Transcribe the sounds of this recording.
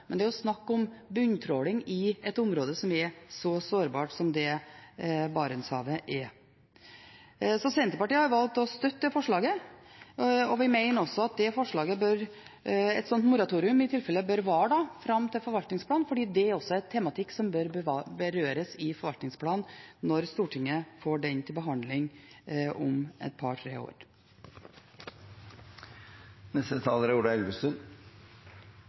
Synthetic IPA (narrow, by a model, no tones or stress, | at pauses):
mɛnd̪ɛæɾjʊsnɑkːɔmbʏnt̪ʰɾoːlɪŋɪɛt̪ʊmɾoːd̪əsɔmɛɾsɔsoːɾbɑ̰ːʈsɔmd̪ɛ | bɑːɾʉnshɑ̰ːʋəʔɛ | sɔsɛnt̪əpɑʈiːəhɑɾjʊʋɑlk̚t̪ɔst̪œt̪ːəfɔʂɭɑːɡə | ɔʋɪmæɪnɔsːɔɑt̪̚d̪ɛfɔʂɭɑːɡəbøɾ | ɛt̪sɔnt̪mʊɾɑt̪uːɾɪʉmɪt̪ʰɪlfɛlːəbœɾʋɑːɖɑfɾɑmːt̪ʰɪlfɔɾʋɑlt̪nɪŋspʰlɑːnfɔɖiːd̪ɛæɾɔsɔæt̪ʰːɛmɑt̪ʰɪkːsɔmbøɾbəɾøːɾəsɪfɔɾʋɑlt̪nɪŋspʰlɑːnnːɔɾst̪uːʈʰɪŋːəfoːɖɛnt̪ʰɪlbəɦɑnd̪lɪŋʔʊmʔɛ̰t̪̚pʰɑ̰ːʈʰɾḛːo̰ːɾ | nɛst̪ət̪ʰɑːləɾəʊɖɑʉbəst̪ʉn